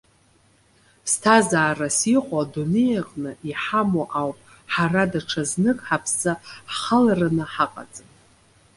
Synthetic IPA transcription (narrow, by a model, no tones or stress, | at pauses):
stʰazaːrasiqʷʼadune̞jaqʼnɨʔiħamoʔawpʼ | ħaradaʈ͡ʂʰaznɨkʼħapʰsaχalaranɨħaqʼa̰t͡sʼɨn